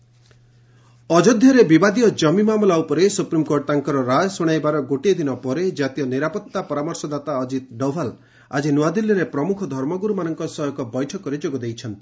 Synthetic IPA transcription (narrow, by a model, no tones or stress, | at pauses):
ɔd͡ʒɔd̪ʱjɔɾebibad̪ijɔd͡ʒɔmimamɔlaupɔɾesupɾimkoɾʈt̪aŋkɔɾɔɾad͡ʒɔsuɽ̃ajbaɾɔɡoʈid̪inɔpɔɾed͡ʒat̪ijɔniɾapɔt̪ːapɔɾamɔɾsɔd̪at̪aɔd͡ʒit̪̚ɖɔbʱal | a̰d͡ʒinuad̪iljiɾepɾɔmukʰɔd̪ʱɔɾmɔɡuɾumanɔŋkɔsɔjɔkɔbɔjʈʰɔkɔɾed͡ʒoɡɔd̪ejt͡ʃʰɔnt̪i̥